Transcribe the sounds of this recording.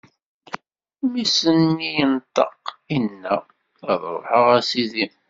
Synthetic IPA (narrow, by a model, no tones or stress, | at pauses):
misənːijənt̪ˤɑ̰qinːæ | ʁəðɾˤo̰ħəʁæsiðim